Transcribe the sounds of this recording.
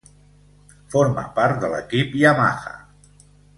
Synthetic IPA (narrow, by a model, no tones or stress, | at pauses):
foɾmə̰paɾt̪̚d̪ələ̰kipiəma̰xə̰